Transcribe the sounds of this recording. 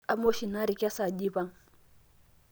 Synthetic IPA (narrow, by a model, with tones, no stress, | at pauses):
a˨mo˦ʃi˨na˦ɾi˨kʲa˦sa˨di˦ba˦ŋ